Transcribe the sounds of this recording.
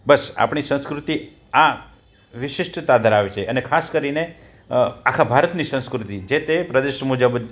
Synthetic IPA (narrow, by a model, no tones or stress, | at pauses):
bəsa̰pɳ̃isə̃skɾut̪i | a | ʋɪʃɪʂʈt̪ad̪ʱəɾaʋet͡ʃʰeənekʰaskəɾine | akʰabʱaɾət̪nisə̃skɾut̪id͡ʒet̪epɾəd̪eʃmud͡ʒəbə